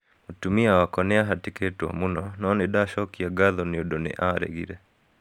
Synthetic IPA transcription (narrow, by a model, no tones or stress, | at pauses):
otumiawakɔnɛaɦatiketwa̰munɔnɔnɪdaʃɔkiaɡaðɔniodonɛ̰ʔaɾḛɡḭɾɛ